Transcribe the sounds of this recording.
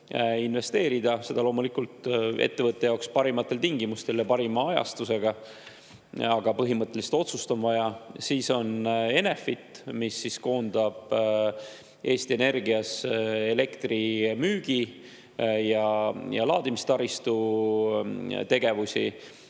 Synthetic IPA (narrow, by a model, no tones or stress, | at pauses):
inve̞st̪e̞ːɾid̪ɑse̞d̪ɑlo̞ːmulikult̪e̞̰t̪ːevɤt̪ˑːe̞jɑokspɑɾimɑt̪ːˑelt̪iŋɡimust̪e̞ljɑpɑɾimɑɑjɑ̰st̪use̞ɡ̥ɑ | ɑɡ̥ɑpɤɦimɤt̪ˑːe̞list̪o̞t̪sust̪o̞nvɑjɑsiːso̞ne̞ne̞fit̪ˑmisːisko̞ːnd̪̥ɑb̥ | ʔe̞ːsʲt̪ie̞ne̞rɡiɑse̞le̞kt̪rimyːɡ̥i | jɑjɑ̰lɑːd̪imist̪ɑɾist̪u | t̪e̞ɡ̥e̞vusʲḭ